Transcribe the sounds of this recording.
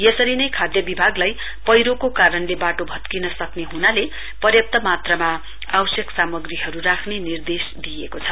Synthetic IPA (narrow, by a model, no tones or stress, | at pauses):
jʌsʌɾinʌjkʰad̪jʌbibʱaɡlaj | pʌjɾokokaɾʌnlebaʈobʱʌt̪kinʌsʌkneɦunale | pʌrjʌp̚t̪ʌmat̪rʌma | awsjʌksamʌɡriɦʌɾurakʰnenird̪esd̪iekot͡sʰʌ